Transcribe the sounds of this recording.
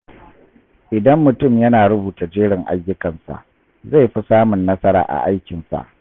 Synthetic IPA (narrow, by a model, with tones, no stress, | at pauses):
ʔɪ˨dɐ˦mːʊ˨tʊ˦˨mjɐ˦naː˨ɽʊ˦buː˨ta˨d͡ʒeː˦ɽɪ˨ŋʔa̰˦jːʊ˦kɐ˨nsa̰˨ʔ | za˦˨jɸi˦saː˦mʊ˨nːɐ˦sɐ˦ɾa̰ː˨ʔa̰˨ʔa˦jkʲɪ˨nsa̰˨ʔ